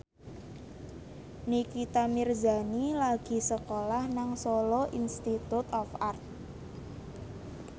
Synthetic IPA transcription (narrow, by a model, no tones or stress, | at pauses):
nikit̪amirza̤nilaɡ̥i̤səkolahnaŋsoloʔinst̪it̪ut̪ɔfart̪̚